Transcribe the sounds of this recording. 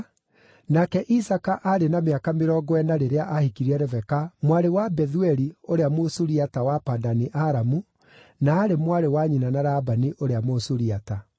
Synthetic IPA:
nakɛʔisakaʔaɾenameakameɾɔːɡɔɛnaɾeɾeaʔahikiɾiɛɾɛvɛkamwaɾewabɛðuɛɾioɾeamosuɾiatawapadaniʔaɾamu | naːɾemwaɾewaɲinanaɾabaniʔoɾeamosuɾiata

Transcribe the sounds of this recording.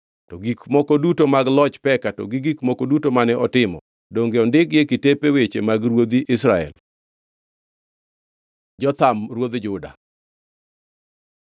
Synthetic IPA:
tɔɡikmɔkɔdutomaɡlɔt͡ʃpɛkatɔ̰ɡiɡikmɔkɔdutomanɛʔɔtɪmɔ̰ | doŋɡeɔndɪkjekitepewet͡ʃemaɡɾwod̪iʔɪsɾaɛ̰l | d͡ʒɔt̪amrwod̪d͡ʒʊda̰

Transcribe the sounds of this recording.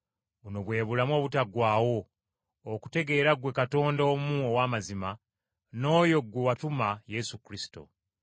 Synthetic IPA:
βuno̞βwe̞ːβulamo̞ːβutaɡwaːwo̞ː | ku̥te̞ɡe̞ːɾaɡwe̞kato̞ːndomuowaːmazima | no̞ːjo̞ɡwewatumaje̞sukɾisi̥to̰

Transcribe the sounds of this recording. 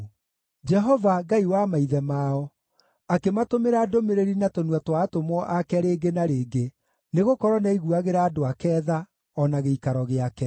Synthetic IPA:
d͡ʒɛɦɔvaɡaiwamaiðɛmaɔ | akematomeɾaːdomeɾeɾinatonuwatwaːtomwɔʔakɛɾeːɡenaɾeːɡe | neɣokɔɾwɔnaiɣuaɣeɾaːdoakɛːða | ɔnaɣeikaɾɔɣeakɛ

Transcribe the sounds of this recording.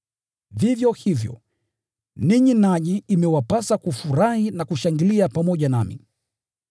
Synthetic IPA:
vivjɔhivjɔ̰ | niɲinaʄiːmɛwapasakufuɾahinakuʃaŋɡiliapamɔʄanamḭ

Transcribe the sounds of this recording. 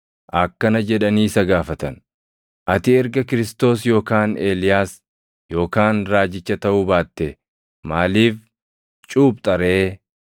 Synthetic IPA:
ʔɐkːɐnɐd͡ʒɛᶑɐniːsɐɡaːfɐt̪ɐn | ʔɐt̪ɪɛɾɡɐkɪɾɪst̪o̞ːsjo̞ːkaːne̞ːlɪjaːs | jo̞ːkaːnɾaːd͡ʒɪt͡ʃːɐt̪ɐʔʊbaːt̪ːe | maːliːf | t͡ʃʼuːb̚t̪ʼɐɾeː

